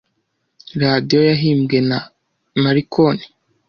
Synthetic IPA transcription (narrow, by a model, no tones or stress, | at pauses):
ɾadijo̞jaɦiːmɡe̞na | maɾikʰoni̥